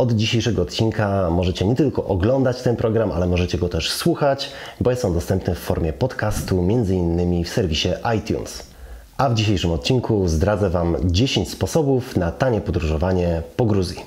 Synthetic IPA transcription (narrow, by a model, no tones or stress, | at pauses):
ɔd̪d͡ʑiɕejʂɛɡɔːt̪̚t͡ɕinkamɔʐɛt͡ɕɛɲɛt̪ɘlkɔʔɔɡlɔnd̪at͡ɕt̪ɛnpɾʔɔɡɾamʔa̰lɛmɔʐɛt͡ɕɛɡɔt̪ɛʂswuxat͡ɕbɔjɛsɔ̃wd̪ɔst̪ɛmpnɛfːɔɾmʲjɛpɔt̪kast̪umʲjɛnd̪zɘinːɘmʲifsɛɾvʲiɕɛʔajt̪ʲjṵns | ʔavd͡ʑiɕejʂɘmɔt̪̚t͡ɕinkʰuzd̪ɾad̪zɛvamd͡ʑeɕeɲt͡ɕspɔsɔbufnat̪aɲɛpɔd̪ɾuʐɔvaɲɛpɔɡɾuzʲjḭ